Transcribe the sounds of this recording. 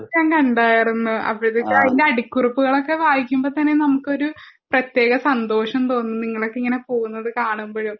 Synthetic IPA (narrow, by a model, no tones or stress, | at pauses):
ɲaːŋkɐɳɖaːjirunːuɐ̰pːɐɻðekːɐðinde̞ɐɽikːurupːuɣɐɭo̞kːe̞ʋaːjikʲːumbo̞ːt̪ɐnːe̞nɐmukːɨo̞ɾu | prɐt̪je̞ːɣɐsɐnd̪o̞ːʂɐmt̪o̞ːnːɨniŋːɐɭo̞kːeiŋːɐne̞po̞ːɣunːɐðɨkaːɳumboːɻu